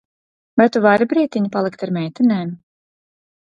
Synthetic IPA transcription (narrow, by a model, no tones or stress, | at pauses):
vajt̪uvaɾibɾiːt̪ʲiɲipalˠikt̪aɾmʲɛjt̪ɛnɛːm